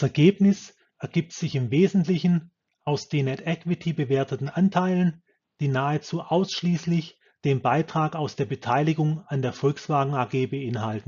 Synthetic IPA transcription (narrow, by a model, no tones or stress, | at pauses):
d̥asɛɐɡeːpnɪs | ʔɛɐɡiːp̚tz̥ɪçɪmveːzn̩tlɪçn̩ | ʔaʊsd̥eːnɛtɛkv̥ɪtʰibəveːɐtətn̩ʔantʰaɪlən | d̥iːnaːət͡suːʔaʊsʃliːslɪç | d̥eːmbaɪtʁ̥aːkaʊsd̥eːɐbətʰaɪlɪɡʊŋandeːɐfɔlksv̥aːɡŋ̩aːɡeːbəʔɪnɦaltn̩